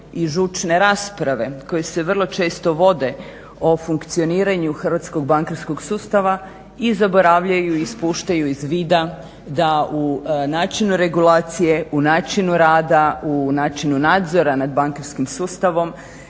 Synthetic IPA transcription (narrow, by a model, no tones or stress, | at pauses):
iʒut͡ʃne̞ɾaːspɾaʋe̞ko̞jese̞ʋr̩lˠo̞t͡ʃe̞ːst̪o̞ʋo̞d̪e̞ | ofuŋkt̪sio̞niːɾaɲuxr̩ʋat̪sko̞ɡbaŋkaɾskoɡsuːst̪aʋa | izabo̞ɾaʋʎajuispuːʃt̪ajuizʋiːd̪a | d̪aunaːt͡ʃinuɾe̞ɡulaːt̪sije̞ʔunaːt͡ʃinuɾaːd̪aunaːt͡ʃinunaːd̪zo̞ɾanad̪̚baŋkaɾskimsuːst̪aʋo̞m